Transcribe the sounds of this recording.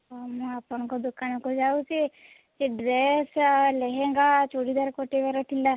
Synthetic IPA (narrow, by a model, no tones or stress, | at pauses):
ɔmapɔɳkɔd̪ukanɔkɔd͡ʒaut͡ʃe | t͡ʃeɖɾesleɦeŋɡat͡ʃoɽid̪aɾkoʈeʋɛɾɔʈʰila